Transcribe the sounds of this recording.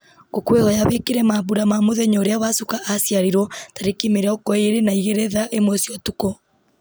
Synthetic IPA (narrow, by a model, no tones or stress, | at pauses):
ɡokwehɔjaβekeɾɛmaβuɾamamoðɛɲɔoɾeaβasukaʔːsjaɾeɾɔtaɾekimeɾɛɔkɔeɾenaiɣɛɾɛðaʔemwɔsjɔtukɔ